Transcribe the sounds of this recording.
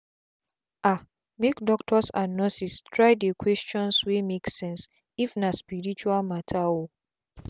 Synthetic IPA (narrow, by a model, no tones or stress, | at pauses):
a | mekdɔktʰɔsãnːɔsistʰɹaɪdekʰwɛst͡ʃɔ̃nswemeksɛ̃ns | ifnaspiɹit͡ʃualmatʰao